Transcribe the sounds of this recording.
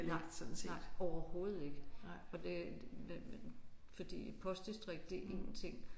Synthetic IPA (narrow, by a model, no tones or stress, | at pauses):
ɑ̈ɡ̥d̥sɔ̽d̥n̩se̥ɒʊɐho̝ːð̩ˠe̝ɡ̥əɒ̽d̥e̝ | fɒ̽d̥ḭːpʰɒ̽sd̥isd̥ʁeɡ̥̚d̥eʔe̝ŋn̩t͡sʰe̝ŋ̰